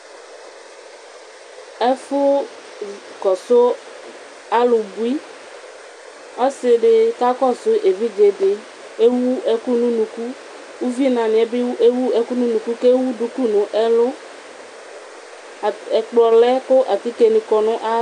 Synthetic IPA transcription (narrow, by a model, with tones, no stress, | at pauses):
ɛ˦fʊ˦ | kɔ˨sʊ˦ | a˦lʊ˨bu˦i˦ | ɔ˦sɪ˨ɖɪ˨ka˦kɔ˦˨sʊ˦ʔe˨vi˦d͡ʒe˨dɪ˨ | e˦wu˦ɛ˦ku˦nũ˦nũ˨ku˦ | u˦vi˦nã˨nɪ̃˨ɛ˨˦bɪ˦ʔe˦wu˦ɛ˦ku˦nũ˦nũ˨ku˦ke˦wu˦du˦ku˦nʊ̃˨ʔɛ˦lʊ˦˨ | ɛ˨k͡plɔ˨lɛ˦kʊ˦ʔa˨t̪i˦ke˨nɪ̃˨kɔ˨nʊ̃˦ʔa˦